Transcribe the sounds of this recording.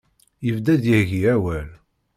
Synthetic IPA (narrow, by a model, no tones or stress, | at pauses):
jəvd̪æd̪jəhʝiæwæl